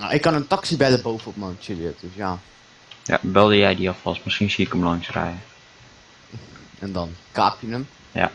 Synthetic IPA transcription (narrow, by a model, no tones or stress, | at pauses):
a̰ʔɪkːɑnəntɔksibɛləbowvəɔp̚mont͡ʃɪljətdøsjaː | ja̰bɛlˠdəjɛjdiɔfɔsməskinsiɪkɔmlɔŋsrɛ̰jə | ɛndɔnka̰ːpjənəm | ja̰